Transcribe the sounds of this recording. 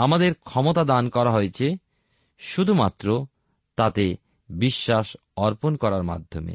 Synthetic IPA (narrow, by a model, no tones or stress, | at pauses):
amad̪eɾkʰɔmot̪ad̪ankɔɾaɦoet͡ɕʰe | ʃud̪ʱumat̪ːɾo | t̪at̪e | biʃːaʃ | ɔɾponkɔɾaɾma̰d̪ʱːomḛ